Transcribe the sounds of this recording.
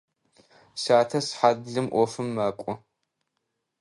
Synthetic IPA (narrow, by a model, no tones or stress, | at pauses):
saːtʰɐsħaːdɮɨmʔʷɔfɨmːɐːkʷʼɔ